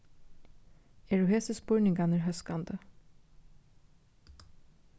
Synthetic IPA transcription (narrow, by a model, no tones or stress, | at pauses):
ɛɹuɦeːsəspʊɹnɪŋɡanəɹɦœskand̪ə